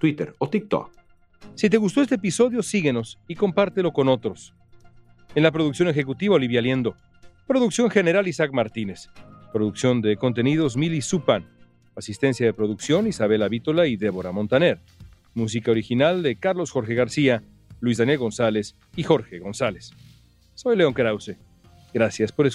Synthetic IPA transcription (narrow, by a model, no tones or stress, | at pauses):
t̪wit̪eɾot̪ik̚t̪o̰k | sit̪̬e̞ɣust̪oe̞st̪eep̬iso̞ðjo̞siɣeno̞siko̞mpaɾt̪elo̞ko̞no̞t̪ɾo̞s | enlapɾoðuksjo̞ne̞xe̞kut̪iβaoliβjalje̞nd̪o̞ | pɾo̞ðuksjo̞ŋxe̞ne̞ɾalisakmaɾt̪ine̞spɾo̞ðuksjo̞nd̪e̞ko̞nt̪e̞niðo̞zmilisupan | asist̪e̞nsjaðe̞pɾo̞ðuksjo̞nisaβe̞laβit̪olaiðe̞βo̞ɾamo̞nt̪ane̞ɾ | mus̬ikaoɾixinald̪e̞kaɾlo̞sxo̞ɾxe̞ɣaɾsia | lwizðanje̞lɣo̞nsale̞s | ixo̞ɾxe̞ɣo̞nsale̞sː | o̞jleo̞ŋkɾawse̞ | ɡɾasjaspo̞ɾes